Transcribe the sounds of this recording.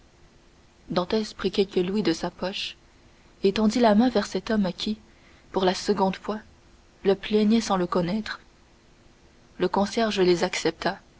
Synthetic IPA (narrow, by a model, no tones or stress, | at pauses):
d̪ɑ̃t̪ɛspχikʲɛlkəlwid̪əsapɔʃ | et̪ɑ̃d̪ilamɛ̃vɛʁsɛt̪ɔmkʲʰi | puʁlasəɡɔ̃d̪fwa | ləplɛɲɛsɑ̃ləkɔnɛt̪χ | ləkɔ̃sjɛʁʒəlezaksɛp̚t̪a